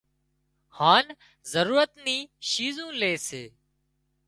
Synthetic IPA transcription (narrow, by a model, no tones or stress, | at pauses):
haːn | zəɾuːɾət̪niːʃiːzũːleːseː